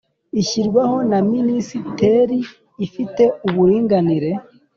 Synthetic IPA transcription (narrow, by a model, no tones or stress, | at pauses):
içiɾɡwaho̞naminisite̞ɾiː | fite̞uβuɾiːŋɡaniɾe̞